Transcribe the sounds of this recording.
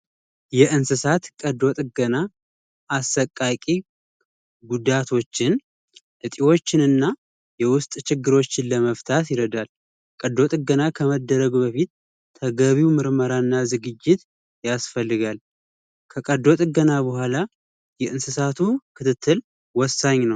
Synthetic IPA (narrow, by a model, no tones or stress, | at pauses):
jɛɨnsɨsat̪kʼəd̪o̞t̪ʼɡəna | asːəkʼːakʼi | ɡud̪at̪ʰo̞t͡ʃːɪn | ʔɨt̪ʼiwo̞t͡ʃːɪnɨnːa | jɛwʊst̪ʼt͡ʃɪɡːɨɾo̞t͡ʃːɪnləməft̪ʰat̪jɪɾəd̪al | kʼəd̪o̞t̪ʼɨɡənakʰəməd̪ːəɾəɡbəfit̪̚ːʰ | əɡəβiwmɨɾməɾanːazɨɡɨd͡ʒːɪt̪ | jasfəlːɨɡal | kʰəkʼəd̪o̞t̪ʼɨɡənabəhʷala | jɛʔɨnsɨsat̪ʰukʰɨt̪ʰɨt̪ʰːɨl | wɔsːaɲːnəw